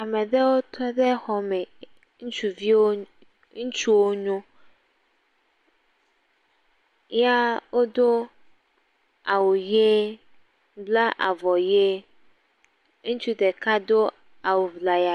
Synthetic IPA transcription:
a˨mɛ̃˨d̪ɛ˦wo˦t̪ʰɔ˦d̪ɛ˦xɔ˨mɛ˨ | ŋũ˦t͡ʃu˦vi˦wo˦ | ŋũ˦t͡ʃu˦wo˦ɲũ˦ | ja˦wo˦d̪o˦ | a˨wo˨je˦ | bla˦ʔa̰˨vɔ˨je˦ | ŋũ˦t͡ʃu˦d̪ɛ˨ka˦d̪o˦ | a˨wo˨vla˨ja˨

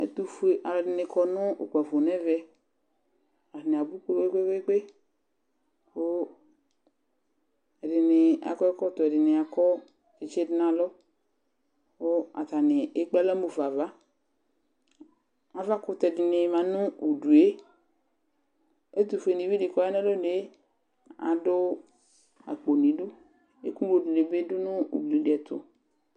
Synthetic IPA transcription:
ɛ̰˦t̪u˨fe˨ʔa˨ldɪ˨nɪ˨kʰɔ˨nʊ˦ʔo˨k͡pa˨vo˨nɛ˦vɛ˦ | a˨ne˨a˨bu˦ke˦ɡ͡be˦ɡ͡be˦ɡ͡be˦ɡ͡be˦ | o˦ | ɛ˨dɪ˨nɪ˨a̰˨kɔ˦ɛ˦kɔ˦t̪ɔ˨ɛ˨dɪ˨nɪ˨a˨kɔ˦ | e˨t͡ʃɛ˦dɪ˦na˨lɔ˦ | o˦a̰˨t̪a˨nɪ˨e˦k͡pla˦la˦mu˨va˨va˦ | a˨va˦kʊ˦t̪ɛ˨dɪ˨nɪ˨mã˨nʊ̃˦u˨du˨e˦ | e˦t̪u˨fe˨nĩ˨vi˦ɖi˨kɔ˦ja˦ne˦lo˦de˦e˦ | a̰˨dʊ˦ | a̰˨k͡po˨nĩ˨ɖu˦ | ḛ˦kũ˦bo˨du˨ne˨be˦dʊ˦nʊ̃˦ṵ˨bli˨de˨ɛ˨t̪ʊ̰˨

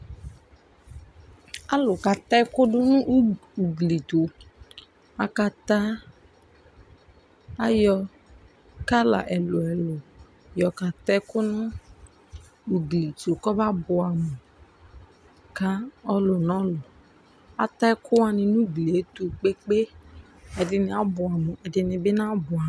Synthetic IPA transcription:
a˦lʊ˨ka˧t̪ɛ˦kʊ˦dʊ˦nũ˦ʔu˨ɡli˨tu˨ | a˨˧ka˧ta˦ | a˦jɔ˧ | ka˦la̰˨ʔɛ˨lʊ˨ɛ˨lʊ˨ | jɔ˧ka˧tɛ˦kʊ˦nũ˦ | u˨ɡli˨tu˨kɔ˦ba˦bʊ˨a˨mũ˨ | ka˦ɔ˦lʊ˨nɔ̃˨˦lʊ˨ | a̰˨tɛ˦kʰʊ˦wa˧nĩ˧nũ˦ɡli˨e˨˦tu˧k͡pe˦k͡pe˦ | ɛ˨dɪ˧nĩ˧a˨˦bʊ˨a˨mũ˨ʔɛ˨dɪ˧nĩ˧bɪ˦nã˦bʊ˨a˨

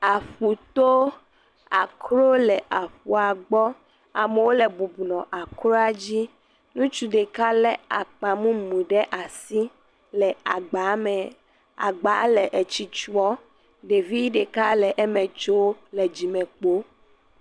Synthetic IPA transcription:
a˨ɸu˨t̪o˦ | a˨kɾo˦lɛ˨ʔa˨ɸu˨a˨ɡ͡bɔ˦ | a˨me˨wo˦le˨bu˨bu˨nɔ̃˨ʔa˨kɾo˦a˦d͡ʑi˦ | nũ˦t͡ʃu˦ɖe˨ka˦lɛ˨a̰˨k͡pa˨mũ˦mũ˨ɖɛ˦ʔa˨si˦ | lɛ˨a˨ɡ͡ba˨˦mɛ˨ | a̰˨ɡ͡ba˨˦lɛ˨ʔe˨t͡ɕi˨t͡ʃu˦ɔ˦ | ɖe˨vi˦ɖe˨ka˦lɛ˨ʔɛ˦mɛ̃˨t͡ʃo˦lɛ˨d͡ʑi˨mɛ̃˨k͡po˦

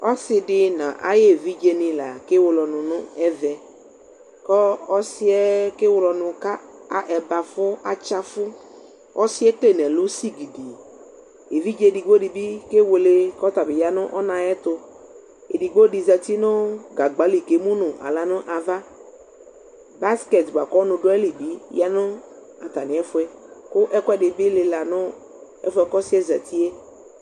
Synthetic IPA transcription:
ɔ˦sɪ˧dɪ˦nã̰˨ʔa̰˦je˦˨vi˦d͡ʒe˨nɪ̃˨la˨kɪ˦wʊ˨lɔ˨nʊ̃˨nʊ̃˦ɛ˦vɛ˨ | kɔ˦ɔ˦sɪ˦ɛ˦ke˦wʊ˨lɔ˨˧nʊ̃˨ka˦a˨ʔɛ˨ba˨fʊ˦a˨t͡ʃa˦fʊ˦ | ɔ˦sɪ˦ɛ˦tle˦˨nɛ̃˨lʊ˦si˦ɡi˨di˨ | e˨vi˦d͡ʒe˦di˨ɡ͡bo˦dɪ˨bi˦ke˦wo˨le˦kɔ˦t̪a˨bɪ˨ja˨nʊ̃˦ʔɔ˦nã˨ɛ˦t̪ʊ˨ | e˨di˨ɡ͡bo˦di˨zɛ˨t̪i˦nʊ˦ɡa˨ɡ͡ba˨˦li˨ke˨˦mũ˦nʊ̃˨ʔa̰˨la˨nʊ̃˦ʔa˨va˦ | ba˦skɛ˨t̪ba˨kɔ˦nʊ̃˨ɖʊ˦ɛ˦li˨bi˦ja˦nʊ̃˦ | a˨t̪a˨nɪ̃˨˦ɛ˦fʊ˦ɛ˦kʊ˦ʔɛ˦kʷɛ˦dɪ˨bi˦le˨la˨nʊ̃˦ | ɛ̰˦fʊ˦ɛ˨kɔ˦si˦ɛ˦zɛ̰˨t̪ʰi˦e˦

